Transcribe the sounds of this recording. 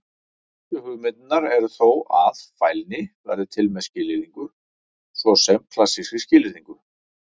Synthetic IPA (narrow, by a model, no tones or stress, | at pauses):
ʏhʏɣmɪt̪̚naɾɛɾθowaðfaːjlnɪvɛ̰ɾðɪt̪ʰɪlmɛscɪːlɪɾðiŋkʏ | svɔsɛmkʰlasːiscɪscɪːlɪɾiŋkʏ